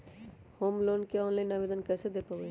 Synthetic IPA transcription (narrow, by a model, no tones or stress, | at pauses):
hoːmloːnkeɔːnlaːɪnaːʋeːd̪ənkɛːsed̪epəʋe